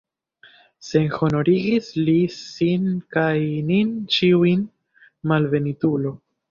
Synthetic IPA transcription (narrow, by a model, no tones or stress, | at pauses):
se̞nho̞no̞ɾiɡislisinkajnint͡ʃiuin | malve̞nitulo̞